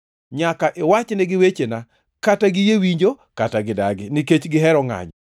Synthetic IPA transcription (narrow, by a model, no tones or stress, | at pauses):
ɲakaʔewat͡ʃnɛɡɪwet͡ʃena | kataɡɪjewiɲd͡ʒo | kataɡɪdaɡɪniket͡ʃɡɪɦɛɾɔŋa̰ɲ